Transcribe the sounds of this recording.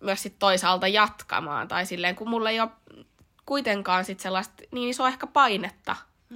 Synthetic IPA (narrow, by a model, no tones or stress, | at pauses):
myøssit̪t̪oisɑːlt̪ɑjɑt̪kɑ̰mɑ̰ːnt̪ɑisilːeːŋkummulːeio | kuit̪eŋkɑːnsit̪selːɑst̪niːnisoːehkæpɑinet̪ːɑ̰